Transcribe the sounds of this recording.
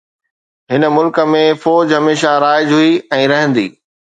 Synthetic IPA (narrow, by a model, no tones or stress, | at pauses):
ɦɪnəmʊlkə̆mẽfɔːd͡ʑɦɐmeːʃaɾaːɪd͡ʑɦuiɛ̃ːɾɐɦə̃nd̪ḭː